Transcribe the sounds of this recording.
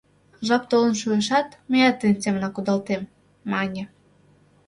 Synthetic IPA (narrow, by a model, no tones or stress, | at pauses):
ʒɑp̚t̪olə̆nʃuəʃɑt̪mejɑt̪ːənʲt̪ʲemnɑkud̪ɑlt̪emː | ɑnʲĕ